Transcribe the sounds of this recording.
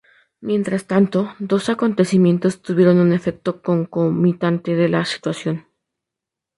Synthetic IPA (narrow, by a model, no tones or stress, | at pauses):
mje̞nt̪ɾast̪ant̪o̞d̪o̞sako̞nt̪e̞simjẽ̞nt̪o̞st̪uβje̞ɾo̞nune̞fe̞k̚t̪o̞ko̞ŋko̞mit̪ant̪e̞ðe̞lasi̥t̪wasjo̞n